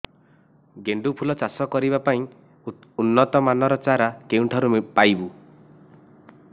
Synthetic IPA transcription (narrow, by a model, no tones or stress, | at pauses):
ɡeɳɖupʰulɔt͡ʃasɔkɔɾibapaĩ | unːɔt̪ɔmanɔɾɔt͡ʃaɾakeũʈʰɔɾupajbu